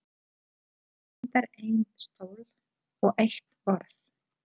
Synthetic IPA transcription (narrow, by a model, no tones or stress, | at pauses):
ɛt̪aɾejnnst̪oːwl | ɔɣʔejht̪ɔɾθ